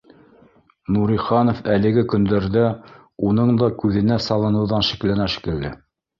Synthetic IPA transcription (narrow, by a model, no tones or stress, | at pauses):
nuɾiχɑnŏfælɘ̆ɡɘkɵ̆nd̪æɾðæ | unɤɴd̪ɑkʉðɘ̆næsɑlˠɤ̆nɤ̆wðɑnʃĭ̥klænæʃi̥kɘ̆ld̪ɘ